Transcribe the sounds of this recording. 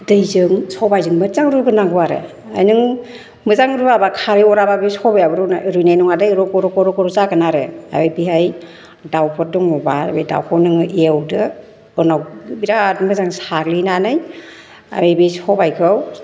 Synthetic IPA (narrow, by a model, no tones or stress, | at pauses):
dɯjzɯŋsɔwbajzɯŋmɯzaŋɾuɡɯnaŋɡuaɾḛ | ajnɯŋ | mɯzaŋɾuabakʰaɾiɔɾababesɔbajabɯɾɔnaɾujnajnɔŋadɯjɾɔkɔɾɔkɔɾɔkɔɾɔzaɡɯnaɾea̰bejbiɦaj | dawpʰɔdɔŋɔbabejda̰wkʰɔnɯŋɯʔeawdɯ | ɯnawbiɾatmɯzaŋsaɾlinanɯj | a̰bebesɔbajkʰɾɯw